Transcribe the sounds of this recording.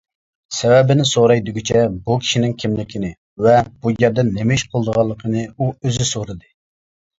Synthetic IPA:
sɛwɛbɪnɪsoɾɑjd̪uɡʲit͡ʃʰɛbukʲʰi̥ʃinɪŋkʲʰimlɪkʲinɪ | vɛb̥ujɛɾd̪ɛnːemɪʃqʰolˠd̪əʁɑlˠːəqʰənɨuøzɪsoɾɨd̪ɨ

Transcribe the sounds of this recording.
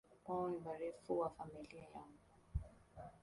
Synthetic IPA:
maimaɾɛfuwafamiliajaŋɡu

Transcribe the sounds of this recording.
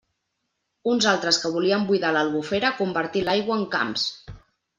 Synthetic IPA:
unzalˠt̪ɾəskəβ̞uliəmbujðaləlˠβufeɾəkumbəɾt̪ilajɣwəːŋka̰ms

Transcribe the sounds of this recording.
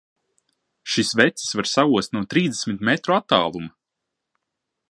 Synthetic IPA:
ʃisvɛt̪si̥svaɾsauɔst̪nuɔt̪ɾiːzd̪esʲmit̪mɛt̪ɾuat̪ːaːlˠuma

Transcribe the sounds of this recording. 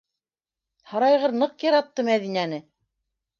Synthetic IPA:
hɑɾɑjʁɤɾnɤqjɑɾɑt̪ːɤmæðinænɘ

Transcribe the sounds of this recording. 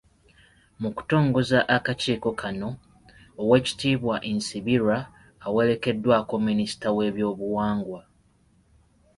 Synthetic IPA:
muku̥to̞ːŋɡo̞zaʔakaciːko̞kʰano̞ː | we̞ːci̥tiːβwaʔensiβiɾaː | we̞le̞ke̞dːwaːko̞minisi̥tawe̞ːβjo̞ːβuwaːŋɡwa

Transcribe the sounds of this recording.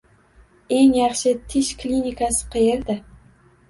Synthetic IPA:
eŋjɑχʃɪt̪ʰɪʃklʲinikʰasɪ̥qʰɨjeɾd̪ɪ

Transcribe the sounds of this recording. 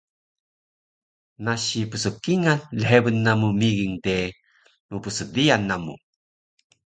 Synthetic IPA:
naɕipəsəkːiŋanləɦebənːamumiɣiŋte | mupəsədianːamṵ

